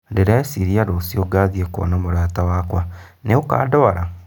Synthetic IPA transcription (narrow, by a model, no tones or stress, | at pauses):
deɾaesiɾiaɾoːsioɡaðieko̰namoɾaːtawaːkwaneuka̰ːdoaɾa